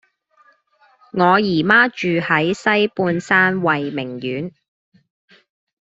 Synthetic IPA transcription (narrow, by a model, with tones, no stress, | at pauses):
ŋɔː˨˧jiː˨˩maː˥t͡ʃyː˨hɐ˨˥jsɐ˥jpuː˧nsaː˥nwɐ˨jmɪ˨˩ŋjyː˨˥n